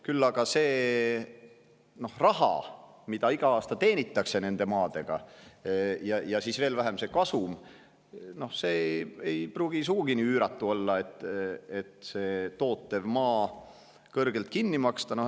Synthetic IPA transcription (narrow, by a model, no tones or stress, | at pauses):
kylːɑɡ̥ɑse̞ː | no̞hrɑɦɑ̰ | mid̪̥ɑiɡ̥ɑɑːst̪ɑt̪e̞ːnʲit̪ːˑɑkse̞ne̞nd̪̥e̞mɑːd̪̥e̞ɡ̥ɑ̰ | jɑjɑsisve̞ːlvæɦemse̞kɑsum | no̞hseːejpruːɡ̥is̬uɡ̥uɡ̥iniːyːɾɑt̪ːˑuo̞lːɑe̞t̪ːˑe̞t̪se̞ːt̪o̞ːt̪ːˑe̞vmɑː | kɤrɡ̥e̞lt̪̚kinːimɑkst̪ɑno